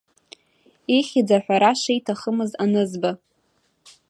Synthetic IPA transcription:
iχʲid͡zaħʷᶣaɾaʂejtʰaχəmɨzanɨzba

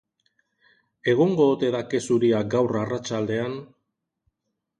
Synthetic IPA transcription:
e̞ɣ̞oŋɡo̞ːt̪e̞ðake̞suɾiaɡawrarat͡ʃald̪e̞an

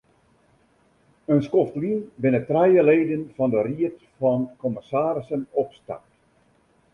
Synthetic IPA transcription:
ənskɔftlinbɪnətrɛjəleːdənfɑndəriətfɑnkɔmɪsaːɾɪsənɔpsta̰rt

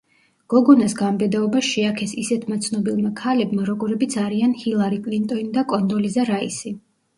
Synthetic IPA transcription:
ɡ̥ɔɡɔnasɡambɛd̪aɔbaʃiakʰɛsisɛt̪ʰmat̪sʰnɔbilˠmakʰalɛbmaɾɔɡɔɾɛbit̪sʰaɾianhilˠaɾikʼlint̪ʼɔnid̪akʼɔnd̪ɔlizaɾaisi

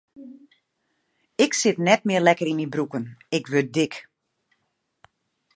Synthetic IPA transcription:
ɪksɪtnɛtmɪərlɛkəɾinmibrukənɪkʋøt̚dɪk

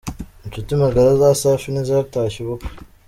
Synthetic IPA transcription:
nt͡ʃutimaɡaɾazaːsaːfinizaɾtaːʃiβok

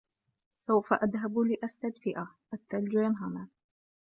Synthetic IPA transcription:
sawfaʔaðɦablɪʔast̪ad̪fɪʔaʔat̪ːald͡ʒaːnɦama

